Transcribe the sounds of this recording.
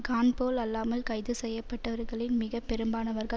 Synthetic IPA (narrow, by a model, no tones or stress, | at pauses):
ɡaːnpoːlɐlːaːmɐlkɐɪðɯsɛjːɐpːɐʈːɐʋɐɾɣɐɭɪnmɪɣɐpːɛɾɯmbaːnɐʋɐɾɣɐ